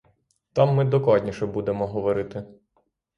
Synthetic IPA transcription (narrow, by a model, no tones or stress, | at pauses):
t̪ɑmːɪd̪ɔklˠɑdʲnʲiʃɛbud̪emɔɦɔʋɔɾɪt̪ɪ